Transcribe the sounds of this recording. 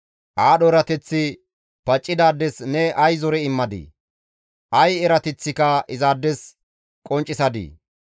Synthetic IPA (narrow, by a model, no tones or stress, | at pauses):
ʔaːɗɔɾɐt̪ɛt͡sːɪ | pɐt͡ʃʼːɪd̪aːd̪ːɛsnɛʔɐjzɔɾɛɪmːɐd̪ḭː | ʔɐjɛɾɐt̪ɛt͡sːɪkɐʔɪzaːd̪ːɛs | kʼɔnt͡ʃʼːɪsɐd̪ḭː